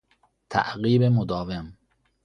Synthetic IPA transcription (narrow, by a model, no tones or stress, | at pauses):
t̪ʰæ̰ʔɣiːbemod̪ɒːvem